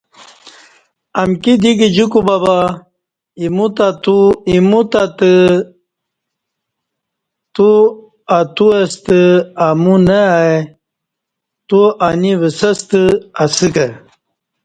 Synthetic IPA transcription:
ɐmkid̪iɡid͡ʑukubaba | imut̪at̪uimut̪at̪ɨ | t̪u | at̪uɐst̪ɨamunea | t̪uaniʋəsɐst̪ɨasɨkɐ

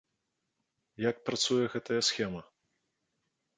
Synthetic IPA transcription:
jak̚pɾat̪sujɛɣɛt̪ɐjɐsxʲɛmɐ

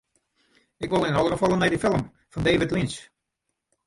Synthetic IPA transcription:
ɪkʋolˠɪnnɔlˠəɣəfɔlˠənmɛjdəfɪlˠəm | fɔndeːvɪtlins

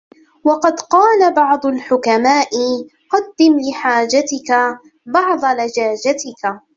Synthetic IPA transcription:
wɑqɑd̪qɑːlabɑʕd̪ˤʊlħʊkamaːʔɪ | qɑd̪ːɪmlɪħaːd͡ʒat̪ɪka | bɑʕd̪ˤɑlad͡ʒaːd͡ʒat̪ɪka

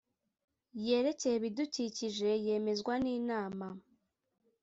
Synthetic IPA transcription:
je̞ːɾe̞cejeβiduciciʒe̞je̞ːme̞zɡwaniːnaːma

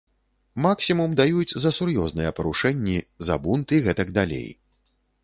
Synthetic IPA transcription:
maksʲimumd̪ajut͡sʲzɐsurjɔznɨjɛpɐɾuʂɛnʲːizɐ̰bunt̪ɨiɣɛt̪ɐɡd̪alʲḛj

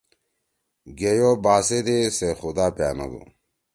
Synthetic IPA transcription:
ɡejobaːsed̪esexud̪aːpja̰ːnɐ̰d̪ṵ

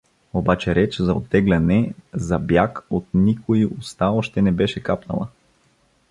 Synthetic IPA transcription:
obat͡ʃɛɾɛt͡ʃzɐot̪ːɛɡlʲɐnɛzɐbjakot̪nikoiʔʊst̪aɔʃt̪ɛnɛbɛʃɛkapnɐ̰lˠɐ̰

